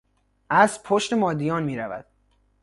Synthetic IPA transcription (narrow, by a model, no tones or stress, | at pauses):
ʔæzpʰoʃt̪emɒːd̪ijɒːnmiːɾævæ̰d̪̥